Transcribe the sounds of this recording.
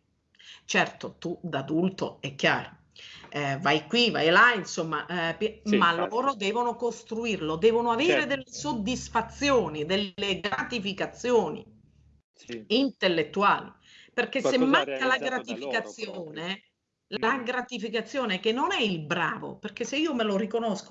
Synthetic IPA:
t͡ʃɛrt̪ot̪ud̪ad̪ult̪o̰ɛkːja̰ːɾo | vajkwiva̰jlainsomːaʔpmalːɔːɾod̪ɛːvonokost̪ɾuirlod̪ɛːvonoaveːɾed̪elːesod̪ːisfat̪sːjoːnid̪elːeɡɾat̪ifikat̪sjoːnḭ | int̪elːet̪ːuaːli | perk̟esːemːaŋkːalaɡɾat̪ifikat̪sːjoːne | laɡɾat̪ifikat̪sːjoːnekenːonɛilbɾa̰ːvo̰perk̟esːeiːomelorikonosko

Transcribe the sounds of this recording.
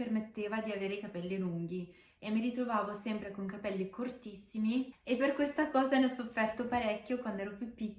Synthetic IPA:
ermet̪ːeːvad̪iaveːɾekapɛlːiluŋɡ̟i | emːiɾit̪ɾovaːvosɛmpɾekoŋkapɛlːikort̪isːimiepːerkwest̪akɔːzanɔsofːɛrt̪opaɾɛkʲːjokwand̪oɛːɾopjupːikː

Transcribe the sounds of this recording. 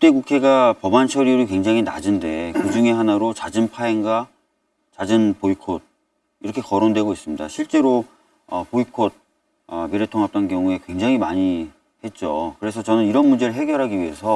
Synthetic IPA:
kɯt͈e̞kukʰe̞ɡapʌbant͡ɕʰʌɾiuɾikweŋd͡ʑaŋina̰d͡ʑɯnde̞kɯd͡ʑuŋe̞ɦanaɾot͡ɕad͡ʑɯnpʰaeŋɡa | t͡ɕad͡ʑɯnpoikʰod̚ | iɾʌkʰe̞kʌɾondwe̞ɡois͈ɯmɲida̰ɕʰiɭt͡ɕ͈e̞ɾo | ʌpoikʰod̚ | ʌmiɾe̞tʰoŋɦap̚t͈ankjʌŋue̞kwe̞ŋd͡ʑaŋimaɲi | e̞t̚t͡ɕ͈okɯɾe̞s̬ʰʌt͡ɕʌnɯniɾʌnmund͡ʑe̞ɾɯɭɦe̞ɡjʌɾɦaɡiɥie̞sʰʌ

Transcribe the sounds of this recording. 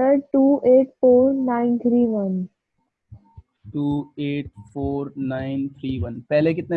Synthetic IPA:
əʈuːeːʈfoːɾnãːɪnt̪ʰɾiːʋən | ʈuːeːʈ̚foːɾnãːɪ̃nt̪ʰɾiːʋənpɛɦlek̬ɪt̪ne

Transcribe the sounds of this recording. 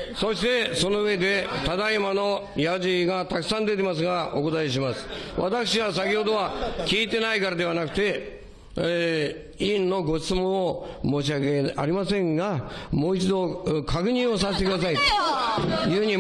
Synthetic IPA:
so̞ɕi̥t̪e̞so̞no̞ɯe̞d̪e̞t̪ad̪aimano̞ | jaʑiɡat̪akɯ̟̥sãnd̪e̞t̪̬e̞mas̬ɨɡao̞̰ko̞t̪aeɕ̬imasɨ̥βat̪akɯ̟ɕ̬iβas̬akʲiɦo̞d̪o̞βakʲiːt̪e̞naikaɾad̪e̞βanakɯ̟̥t̪e̞ | ĩnːo̞ɡo̞ɕi̥t͡sɨmõ̞ɰ̃omo̞ːɕ̬iakea̰ɾʲimasẽ̞ŋɡamo̞ːit͡ɕid̪o̞kʰakɯ̟ɲ̟ĩɰ̃o̞saset̪ekɯd̪as̬ait̪o̥jɯ̟ːɯɲ̟i

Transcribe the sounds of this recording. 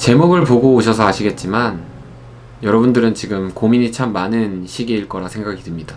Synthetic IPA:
t͡ɕe̞moɡɯɭpoɡoːɕʰʌsʰʌaɕʰiɡe̞t̚t͡ɕ͈iman | jʌɾʌbundɯɾɯnt͡ɕiɡɯmkomiɲit͡ɕʰamːanɯnɕʰiɡeiɭk͈ʌɾasʰe̞ŋɡaɡitɯmɲida

